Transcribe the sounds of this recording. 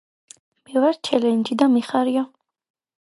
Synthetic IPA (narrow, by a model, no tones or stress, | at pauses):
mɛvaɾt͡ʃʰɛlɛnd͡ʒid̪amiχaɾiɔ